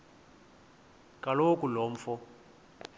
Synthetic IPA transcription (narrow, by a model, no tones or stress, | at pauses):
kʼalokʼuloːɱ̩fɔ